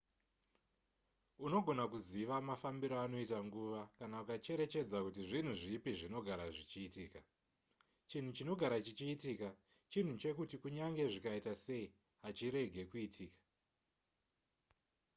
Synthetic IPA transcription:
uno̞ɡʱo̞nakuziʋamafambiɾoano̞itaŋɡuʋakanaukat͡ʃe̞ɾe̞t͡ʃe̞d͡zakutiʐin̤uʐipiʐino̞ɡʱaɾaʐit͡ʃiːtiːka | t͡ʃin̤ut͡ʃino̞ɡʱaɾat͡ʃit͡ʃiːtiːka | t͡ʃin̤ut͡ʃe̞kutikuɲaŋɡe̞ʐikaitase̞i | ɦat͡ʃiɾe̞ɡʱe̞kuitʰiːkḁ

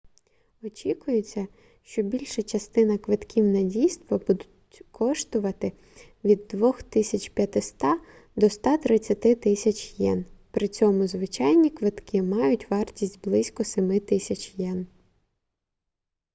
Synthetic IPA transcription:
ɔt͡ʃʲikʊjʊt͡sʲːɐ | ʃt͡ʃɔbʲilʲʃɐt͡ʃɐst̪ɪnɐkʋɪt̪kʲiwnɐdʲijst̪ʋɐbud̪ʊtʲkʰɔʃt̪ʊʋɐt̪ɪ | ʋʲid̪ːʋɔxt̪ɪsʲɐt͡ʃʲpʲjɐt̪ɪst̪ɑ | d̪ɔst̪ɑt̪ɾɪt͡sʲːɐt̪ɪt̪ɪsʲɐt͡ʃʲjɛnpɾɪt͡sʲɔmʊzʋɪt͡ʃɑjnʲikʋɪt̪kɪmɑjʊtʲʋɑrtʲisʲt̚ʲblˠɪsʲkɔsemɪt̪ɪsʲɐt͡ʃjɛn

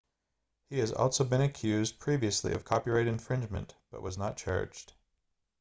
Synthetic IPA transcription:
hiɨzɔ̰lˠsoʊbɨ̃ñɨkʰj̥ʉzd̚pʰɹ̥iviɨslḭʌ̰v̥kʰɑpiɹaɪɾɨ̃ɱfɹɪ̃nd͡ʒmɨ̰̃nb̥ʌ̰ʔ̚wʔʌznət̚t͡ʃʰɑ̰ɹd͡ʒd̥

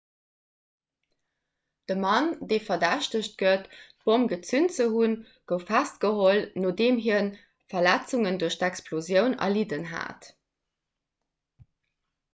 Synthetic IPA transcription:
d̥əmɑndeːfɐdæɕtəɕt̚ɡətː | b̥omɡət͡synt͡səhun | ɡ̥əʊfæst̚ɡ̥əɦolnoːdeːmɦiɐn | fɐlæt͡suŋənduɐɕtækspʰlozjəʊnɐ̰lidənɦa̰ːt

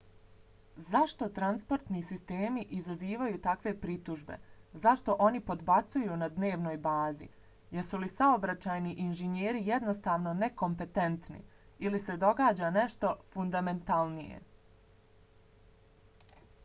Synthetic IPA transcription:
zaʃt̪o̞t̪ɾanspo̞ɾt̪nisist̪e̞ːmiʔizaziːʋajuːt̪akʋe̞pɾit̪uʒbe̞̰zaʃt̪o̞ʔo̞nipo̞d̪bat̪sujunad̪ne̞ːʋno̞ːjbaːzḭ | jeɾsulisaobɾat͡ɕaːjniʔinʒeɲeːɾijed̪no̞st̪aːʋno̞ne̞ko̞mpe̞t̪e̞nt̪nḭ | ilise̞d̪o̞ɡaːd͡ʑane̞ʃt̪o̞fund̪ament̪alˠnijḛ

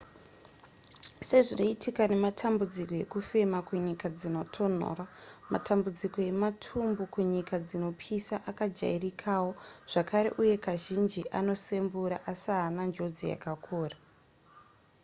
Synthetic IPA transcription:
se̞ʐino̞itʰikane̞matʰambud͡ziko̞je̞̰kufe̞makuɲikad͡zino̞tʰo̞n̤o̞̰ːrama̰tʰambud͡ziko̞je̞matʰumbukuɲikad͡zino̞pʰisaʔakad͡ʒa̰irikʰawoʐ̥akaɾe̞̰ʔuje̞kaʒind͡ʒiʔano̞se̞mbuɾaʔasaːnand͡ʒo̞d͡zḭja̰kakʰuːra

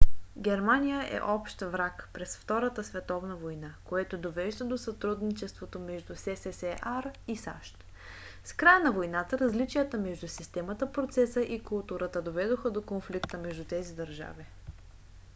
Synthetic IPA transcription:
ɡʲɛɾmanʲijəʔɛ̰ʔɔpʃt̪vɾakpɾɛsft̪ɔɾət̪əsvɛt̪ɔvnəvojnakoɛt̪od̪ovɛʒd̪əd̪osɐt̪ɾud̪nit͡ʃɛst̪vot̪omɛʒd̪usɛsɛsɛʔaɾisa̰ʃt̪ | skɾajənɐvojnat̪əɾɐzlit͡ʃijət̪əmɛʒd̪usist̪ɛmət̪əpɾot̪sɛsəʔikʊlˠt̪uɾət̪əd̪ovɛd̪oxəd̪okonflikt̪əmɛʒd̪ut̪ɛzid̪ɐɾʒa̰vi

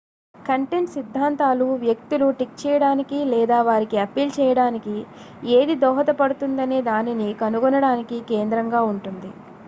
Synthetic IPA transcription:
kɐɳʈeɳʈsid̪ʱːaːnt̪aːluʋjɐk̚t̪uluʈik̚t͡ʃɛːjɐɽaːnikilɛːd̪aːʋaːɾikiɐpiːlt͡ʃɛːjɐɽaːniki | eːd̪id̪ɔːɦɐt̪ɐpɐɽut̪und̪ɐneːd̪aːninikɐnuɡɔnɐɽaːnikikeːnd̪ɾɐŋɡaːuɳʈund̪i

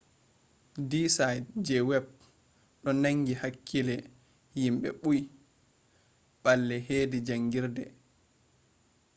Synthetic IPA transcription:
disajdd͡ʒɛwɛb̚ | ɗɔnaŋɡihakʰːilɛ | jimɓɛ̰ɓuj | ɓalːɛheːdid͡ʒaŋɡiɾdɛ

